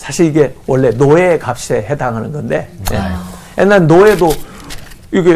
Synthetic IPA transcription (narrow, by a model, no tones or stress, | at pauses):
sʰaɕʰiɾiɡe̞wʌɭːe̞noekap̚ɕ͈eɦedaŋɦanɯnɡʌnde̞jejenːaɭnoe̞do | iɡe